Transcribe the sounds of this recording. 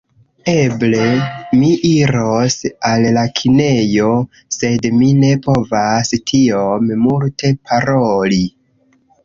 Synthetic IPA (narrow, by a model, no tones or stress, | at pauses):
e̞ble̞miʔiɾosalːakʰine̞jo̞ | se̞dmine̞po̞vastʰiommulte̞pʰaɾoli